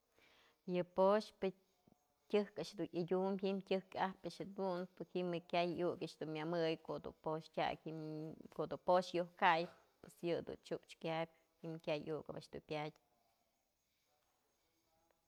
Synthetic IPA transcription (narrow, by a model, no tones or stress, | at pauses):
jɨpoʂpɨ | tʲɨhkaʔʂd̪unʔidʲumʲɦimtʲɨhkahpaʔʂɨd̪unpɨhimɨkʲajjukaʔʃd̪unmʲamɨjkoʔd̪ṵpoʂtʲa̰kʲ | koʔd̪upoʂjohkaj | pwesjɨd̪ṵnt͡ʃuʔt͡ʃkʲabʲ | himkʲajʔukaa̰ʔʃd̪ṵnpʲatʲ